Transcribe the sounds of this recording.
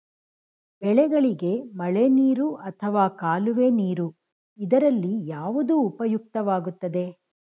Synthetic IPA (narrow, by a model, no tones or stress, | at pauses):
bɛɭɛɡɐɭiɡe̞mɐɭeniːɾuʔɐt̪ʰɐʋaːkaːluʋeːniːɾu | id̪ɐɾɐlːijaːʋud̪uːpɐjuk̚t̪ɐʋaːɡut̪ːɐd̪e̞